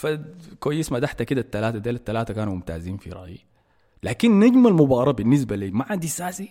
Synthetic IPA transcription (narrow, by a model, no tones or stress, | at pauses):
fakwajːismad̪aħt̪akid̪at̪ːalaːt̪ad̪eːlat̪ːalaːt̪akaːnumʊmt̪a̰ːziːnfḭɾˤɑ̰ʔji | laːkinːad͡ʒmalmubɑːɾˤɑbɪnːɪs̬baliːmaʕand̪isaːsi